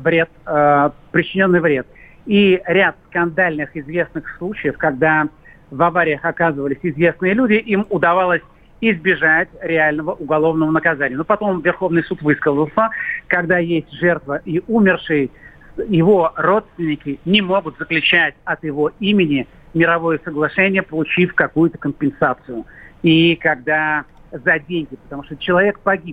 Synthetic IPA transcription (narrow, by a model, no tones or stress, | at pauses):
vɾʲet̪̚ | pɾʲɪt͡ɕɪnʲo̞nːɨjvɾʲe̞t̪ | iɾʲat̪skɐnd̪alʲnɨxɪzvʲe̞snɨxslˠut͡ɕɪjəfkɐɡd̪a | vɐvaɾʲɪjəxɐkazɨvəlʲɪsʲɪzvʲe̞snɨjəlʲudʲɪʔimʊd̪ɐvalˠəsʲ | ɪzbʲɪʐatʲɾʲɪalʲnəvəʔʊɡɐlˠo̞vnəvənəkɐzanʲɪjənopɐt̪o̞mvʲɪrxo̞vnɨjsut̪vɨskəzəlˠsəkɐɡd̪ajesʲtʲʐɛrt̪vəʔiumʲɪrʂɨjə | jɪvo̞ro̞t̪st̪vʲɪnʲɪkʲɪnʲɪmo̞ɡʊt̪zəklʲʉt͡ɕætʲɐt̪jɪvo̞imʲɪnʲɪ | mʲɪɾɐvo̞jəsəɡlˠɐʂɛnʲɪjəpəlˠʊt͡ɕifkɐkujʊt̪əkəmpʲɪnsat̪sɨjʊikɐɡd̪azɐdʲenʲɡʲɪpə̥t̪ɐmuʂt̪ot͡ɕɪlˠɐvʲe̞k̚pɐɡʲip̚